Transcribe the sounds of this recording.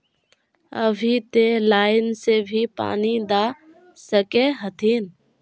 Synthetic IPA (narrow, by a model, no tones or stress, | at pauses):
ə̰bʱit̪elaːɪnsebʱipa̰ːnid̪aː | səkeɦət̪ʰiːn